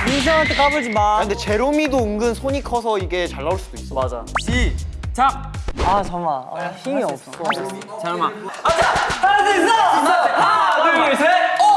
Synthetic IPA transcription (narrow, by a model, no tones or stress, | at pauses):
ins̬ʰaŋɦaɭtʰekabɯɭd͡ʑimaɯndet͡ɕe̞ɾomidoɯŋɡɯnsʰoɲikʰʌsʰʌiɡe̞t͡ɕaɭːauɭs͈ud̥oips͈ʌmad͡ʑa̰it͡ɕak̚at͡ɕʌmaa̰çimiʌp̚sʌʌ | t͡ɕamaad͡ʑataɾadesʌ | aese